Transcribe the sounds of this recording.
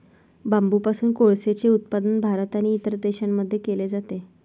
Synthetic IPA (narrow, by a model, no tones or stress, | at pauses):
bambupasuːnkoɭset͡seut̪̚pad̪ənbʱaɾt̪aniːt̪əɾd̪eɕamːəd̪ʱːjekeled͡zat̪e